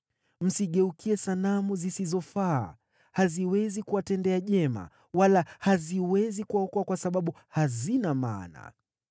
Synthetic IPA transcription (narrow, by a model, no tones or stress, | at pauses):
m̩siɠɛukʰiɛsanamuzisizɔfaː | haziwɛzikuwatɛndɛaʄɛma̰ | walahaziwɛzikuwaɔkɔakwasaɓaɓu | hazinama̰ːna̰